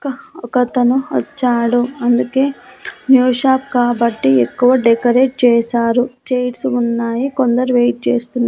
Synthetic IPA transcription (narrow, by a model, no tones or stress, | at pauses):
kɐɔkɐt̪ɐnuʋɐ̰t͡ʃːaːɽuɐnd̪uke̞ːnjuːʂaːpkaːbɐʈːiekːuʋɐɖɛkɐɾe̞ːʈ̚t͡ʃɛːsaːɾut͡ʃejʈsunːaːjiko̞nd̪ɐɾuʋejʈ̚t͡ʃeːst̪unːa